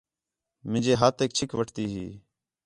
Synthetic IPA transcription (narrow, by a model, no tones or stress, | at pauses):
mɪ̃d͡ʒeːɦaːt̪eːk̚t͡ʃʰɪkʋəʈʰt̪iːɦiː